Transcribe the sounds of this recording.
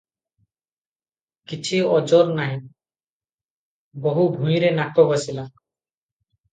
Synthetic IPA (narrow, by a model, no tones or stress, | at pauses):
kit͡ɕʰiɔd͡ʑoɾnaɦi | bɔɦubʱũmjɾenakːɔbasila